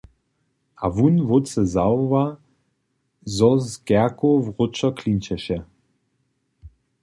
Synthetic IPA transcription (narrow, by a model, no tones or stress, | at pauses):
ʔavunvot͡səzawva | zɔzɡɛɐkovʁʊt͡ʃɔkʰlint͡ɕɛʃɛ